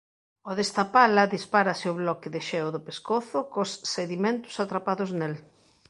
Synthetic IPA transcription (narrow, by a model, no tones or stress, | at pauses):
oðest̪apalɐðispaɾɐsɪoβlɔkɪðɪʃɛwðʊpeskoθʊkosːeðimẽnt̪ʊ̥sat̪ɾapaðʊznel